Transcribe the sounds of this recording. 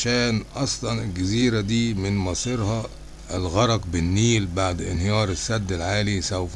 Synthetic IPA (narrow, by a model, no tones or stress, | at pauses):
ʃæːnʔɑsˤlɑnɪlɡæziːɾæd̪iːmɪnmɑsˤiɾhɑ | ʔɪlɣɑɾˤɑqbɪnːiːlbaʕd̪ɪ̰nhɪjɑːɾˤɪsːæd̪ːɪlʕaːlisæwf